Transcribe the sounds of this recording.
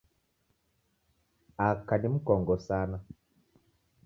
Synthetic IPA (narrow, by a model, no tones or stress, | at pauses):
akanim̩kɔŋɡɔsaːna